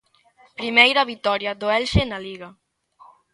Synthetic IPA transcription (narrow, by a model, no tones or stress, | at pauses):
pɾimejɾaβit̪ɔɾjad̪oɛlʃenaliɣa